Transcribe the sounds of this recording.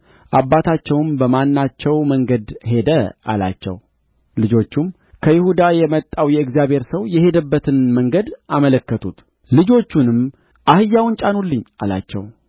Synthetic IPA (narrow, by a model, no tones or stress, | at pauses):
ʔabːat̪ʰat͡ʃːɛwɨmbəmanːat͡ʃːɛwməŋɡəd̪ɦe̞d̪əa̰la̰t͡ʃːɛ̰w | lɨd͡ʒo̞t͡ʃːum | kʰəjɪhud̪ajɛmət̪ʼːawjɛɨɡzijaβhe̞ɾsəwjɛhe̞d̪əbːət̪ʰɨnməŋɡəd̪ʔamələkːət̪ʰut̪ | lɨd͡ʒo̞t͡ʃːunɨm | ʔahɨjːawʊnt͡ʃʼanulːɨɲːʔala̰t͡ʃːɛ̰w